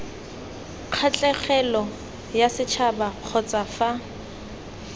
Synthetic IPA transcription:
q͡χʰat͡ɬʼɛχɛlɔ | jasɪt͡ʃʰabaq͡χʰɔt͡sʼafa

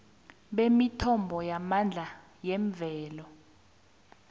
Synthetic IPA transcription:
ɓemitʰɔmbʱɔjamand͡ɮʱa | jɛɱb̪vʱɛːlɔ

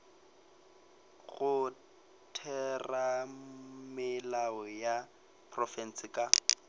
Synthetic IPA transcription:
ɣʊ | tʰɛra | mɪlaɔja | pʰrɔfɛn̩sɪkʼa

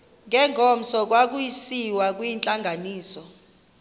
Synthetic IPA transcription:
ŋʱɛŋʱɔm̩sɔk̬wak̬ujisiwak̬ʼwiːnt͡ɬʼaŋɡʱaniːsɔ

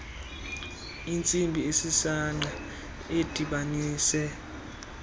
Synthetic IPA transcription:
int͡sʼimbʱiesisaŋ͡ǃa | ed̥ʱiɓaniːsɛ

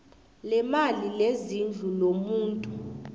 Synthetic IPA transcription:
lɛmalilezind͡ɮʱulomuːntʼu

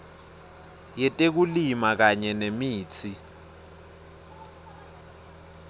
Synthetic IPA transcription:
jɛtʼek̬ulimak̬aɲɛnemiːt͡sʰi

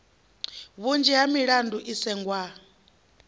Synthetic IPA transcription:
βund͡ʒɛɦamiɺandʱuʔisɛŋɡwa

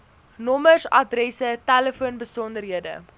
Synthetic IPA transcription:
nɔməsɐ̰drɛsətæləfuənbəsɔndəɾɦiədə̰

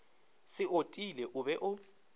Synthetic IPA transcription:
sɪʔotʼilɛʔuβɛʔʊ

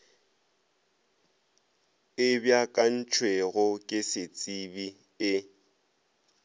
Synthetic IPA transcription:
ɪbjakʼan̩t͡ʃʰweɣʊkʼɪsɪt͡sʼibi | ɪ

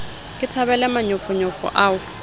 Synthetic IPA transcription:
kʼɪtʰabɛlɛmaɲʊfʊɲɔfɔ̰ʔaːʊ

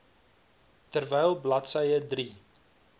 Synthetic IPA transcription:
tərvɛjlˠblɐtsəjədri

